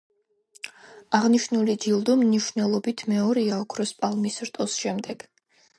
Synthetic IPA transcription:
aʁniʃnulid͡ʒ̪ilˠd̪ɔmniʃnɛlˠɔbit̪ʰmɛɔɾiaɔkʰɾɔspʼalˠmisɾt̪ʼɔsʃɛmd̪ɛɡ̥

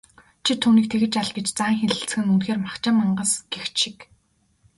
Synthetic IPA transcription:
t͡ɕʰit̪ʰuːniːk̚t̪ʰeɣɘ̆t͡ɕaɮɡet͡ɕt͡saːŋxeɮɘ̆ɬt͡sxɘ̆ŋunxeːrmakt͡ɕăːmːaɴɢə̆sɡ̥ext͡ɕʃik

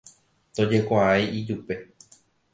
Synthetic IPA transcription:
t̪o̞d͡ʒe̞kʷaajid͡ʒupe̞

